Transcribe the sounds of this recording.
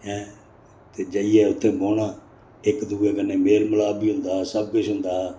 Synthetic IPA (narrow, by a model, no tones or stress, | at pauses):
ɛ̃ː | t̪eːd͡ʒəiːjɛːʊt̪ʰːeːboːnaː | ɪkd̪uːeːkənːeːmeːlməlaːbiːɦʊ̃nd̪aːsəbkʊt͡ʃɦʊ̃nd̪aː